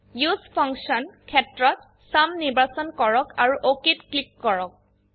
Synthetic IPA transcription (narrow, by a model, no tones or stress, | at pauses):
juspʰɔŋksɔnkʰɛtɹɔt̚ | samnibasɔnkɔɹɔkaɹuʔokitklikːɔɹɔk̚